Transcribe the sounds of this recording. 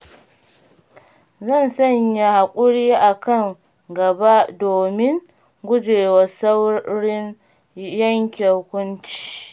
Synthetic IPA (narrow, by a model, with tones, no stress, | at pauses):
zɐ˦˨nsɐ˦˨ɲja˨ha˨kʷʼʊ˦ɽiː˦ʔa˨kɐ˦˨ŋ | ɡɐ˨ba˦doː˨mɪ˦ŋ | ɡʷʊ˦d͡ʒeː˨wa˨sa˦wɽɪ˦n | jɐ˦ŋkʲe˨hʊ˦kʷʊ˦nt͡ʃi̥ː˨